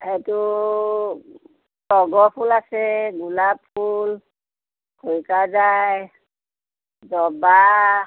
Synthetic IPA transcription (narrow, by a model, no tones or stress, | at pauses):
hɛtu | tɔɡɔpʰulasɛɡulapʰːul | kʰojkazajj | zɔba